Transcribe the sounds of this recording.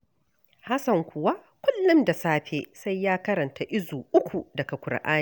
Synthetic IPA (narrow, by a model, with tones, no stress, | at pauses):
ha˦sɐ˨ŋkʷʊ˨wa˦ | kʷʊ˦lːʊ˦mda˨saː˦ɸeː˨sa˦jːaː˦kɐ˦ɾɐ˨nta˨ʔɪ˦zuː˨ʔʊ˦kʷu˨dɐ˨ka˨kʷʊ˨ɽ̰ʔa̰ː˦ni˦˨